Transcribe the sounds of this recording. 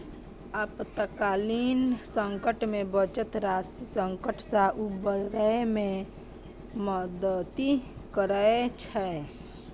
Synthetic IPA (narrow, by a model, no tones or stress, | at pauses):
əpt̪əkaːliːnsə̃ŋkəʈmẽbət͡ʃət̪ɾaːsisə̃ŋkəʈsaʔubəlɾəemẽ | məd̪ət̪ikəɾəet͡ʃʰɛ